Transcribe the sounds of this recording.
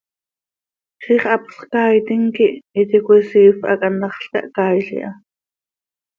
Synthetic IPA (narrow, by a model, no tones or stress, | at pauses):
χiːχɑpsχkaːjt̪iŋkiʔit̪ikʷisiːfʔa̰kʼanɑχɬka̰ʔkaːjɬḭʔa